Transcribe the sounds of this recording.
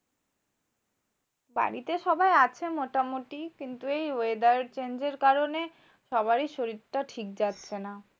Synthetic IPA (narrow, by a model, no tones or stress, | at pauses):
ba̰ɽit̪eʃɔbajat͡ɕʰemoʈamoʈikint̪uejoed̪aeɾt͡ɕend͡ʑeɾkaɾone | ʃɔbaɾiʃoɾit̪ʈaʈʰik̚d͡ʑatːɕʰena